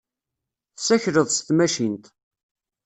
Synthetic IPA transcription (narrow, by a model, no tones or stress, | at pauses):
θsæçɾəðˤst̪mæʃint̪